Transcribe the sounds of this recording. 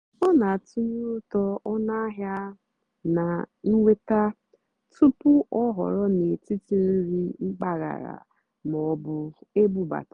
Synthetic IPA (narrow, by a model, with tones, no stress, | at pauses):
ɔ˦na˨tu˦ɲu˦ʊ˦tɔ˦ɔ˦na˦ɦja˦ | na˨ŋ̩˦ŋʷe˦ta˦ | tu˦pʊ˦ʔɔ˦ɦɔ̰˨ɾɔ˦ne˨ti˦ti˨n̩˦ɾi˦ŋ͡m̩˦k͡pa˦ɣa̰˨ɾa̰˨ | mɔ˨˦bʊ˦e˦bu˦ba̰˨t